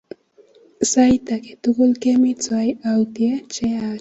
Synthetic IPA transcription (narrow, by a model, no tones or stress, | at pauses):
sajt̪akɪ̥t̪ʊkʊlkemɪt͡sʊajawt̪iat͡ʃea